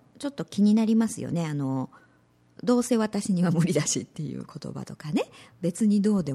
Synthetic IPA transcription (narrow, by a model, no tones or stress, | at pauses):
t͡ɕo̞t̪ːo̞kʲiɲ̟inaɾʲimasɨjo̰ne̞ano̞ | d̪o̞ːse̞ːβat̪aɕiɲ̟iβamɯ̟ɾʲid̪aɕit̪ːe̞jɯ̟̰ːkʰo̞t̪o̞̰ba̰t̪o̞kane̞be̞t͡sɨɲ̟id̪o̞ːd̪e̞